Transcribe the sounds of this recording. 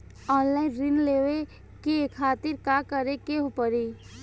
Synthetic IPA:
ɔːnlaːɪnɾɪnleːʋe | kekʰaːt̪ɪɾkaːkəɾekeɦopəɾi

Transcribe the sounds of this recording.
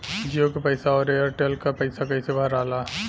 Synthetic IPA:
d͡ʒijokepɐɪsaɔːɾeːəɾʈelkapɐɪsakɐɪsebʱɐɾaːlaː

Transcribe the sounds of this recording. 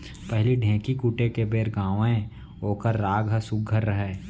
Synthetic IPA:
pɛɦliɖʱɛ̃ːkikuːʈekebeːɾɡãːʋẽ | oːkəɾːaːɡɦəsʊɡʱːəɾːəɦɛː

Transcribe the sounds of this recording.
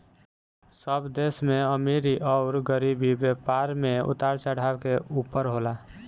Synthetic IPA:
səbd̪esmẽəmeɾiʔɔʊɾɡəɾibibjepaɾmẽʊ̰t̪aɾt͡ʃəɽ̤ʱawkeuːpəɾɦola

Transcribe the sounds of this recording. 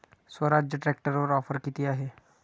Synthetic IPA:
swəɾad͡ʒjəʈɾɛk̚ʈəɾʋəɾɔːfʰəɾkit̪iaːɦeː

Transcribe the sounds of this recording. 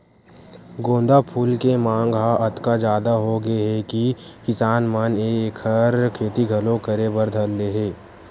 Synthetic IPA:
ɡõːnd̪apʰuːlkemãːŋɡɦaʔɐt̪kad͡ʒjaːd̪aɦoɡeɦɛkikɪsaːnmənekʰəɾkʰeːt̪iɡʱɐlõkɐɾebəɾd̪ʱɐlːeɦeː

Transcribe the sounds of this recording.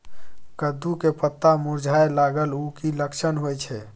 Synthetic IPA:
kəd̪ukepət̪ːamuɾd͡ʒʱaelaɡəlukiləkʃʰənɦojt͡ʃʰɛ

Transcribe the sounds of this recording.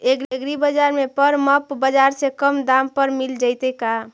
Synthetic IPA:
eɡɾeɡɾibəd͡ʒaɾmepəɾməpbəd͡ʒaɾsekəmd̪ampəɾmild͡ʒəɪt̪eka

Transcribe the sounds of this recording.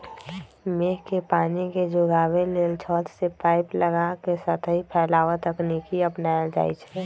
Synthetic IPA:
meːɦkepaːniked͡ʒʊɡaːweleːlt͡ʃʰɔːt̪ʰsepaːɪpləɡakesat̪ʰɦipʰɛːlaːʋət̪əknikiəpnaːjad͡ʒa̰ːit͡ʃʰɛː

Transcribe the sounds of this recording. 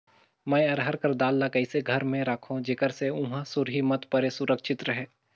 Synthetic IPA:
mɛ̃jɐɾɦəɾkɐɾd̪aːlːakɐɪseɡʱɐɾmẽɾaːkʰõd͡ʒeːkəɾseʊ̃ɦãsʊɾɦimɐt̪pɐɾesʊɾəkʃɪt̪ɾəɦɛː

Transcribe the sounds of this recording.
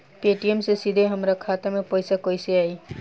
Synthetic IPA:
peʈijemsesid̪ʱeɦəmɾakʰat̪amẽpəjsakojseai

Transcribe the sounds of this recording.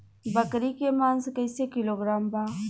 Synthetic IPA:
bəkɾikemaːnskəjsekɪloːɡɾaːmbaː

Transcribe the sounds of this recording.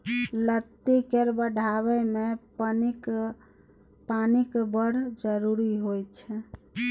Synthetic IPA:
lət̪ːikeɾbəɖʱaβɛmepni | panikbəɽ̤d͡ʒəɾuɾiɦojt͡ʃʰɛ

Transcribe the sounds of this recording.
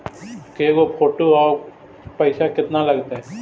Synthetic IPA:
keɡopʰoːʈoɔːɾ | pɐɪsakɪt̪nalɐɡt̪aɦɛ

